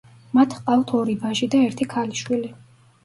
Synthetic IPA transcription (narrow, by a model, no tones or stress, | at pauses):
mat̪ʰqʼaft̪ʰɔɾibaʒid̪aɛɾt̪ʰikʰaliʃwili